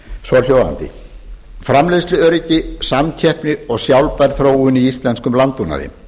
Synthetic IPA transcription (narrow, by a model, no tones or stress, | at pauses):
svɔɾl̥jowða̰nt̪ɪ̰ | fɾamleslʏœɾɪcɪsamcʰɛhpnɪɔɣsjawlpɛɾθɾoːwʏniist̪lɛnskʏmlant̪̚puna̰ðɪ̰